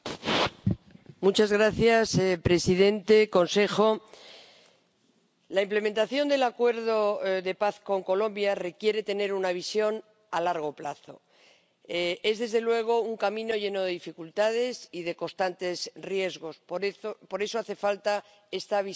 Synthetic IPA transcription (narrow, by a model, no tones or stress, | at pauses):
mut͡ʃazɣɾaθjaspɾe̞siðe̞nt̪e̞ko̞nse̞xo̞ | laimple̞ment̪aθjo̞nd̪e̞lakwe̞ɾðo̞ðe̞paθko̞ŋko̞lõ̞mbjare̞kje̞ɾe̞t̪e̞ne̞ɾunaβisjo̞n | alaɾɣ̞o̞plaθo̞ | e̞zðe̞zðe̞lwe̞ɣ̞o̞uŋkamĩno̞ʝe̞no̞ðe̞ðifikult̪að̞e̞siðe̞ko̞st̪ant̪e̞srje̞zɣo̞spoɾe̞so̞aθe̞falt̪a | e̞st̪aβi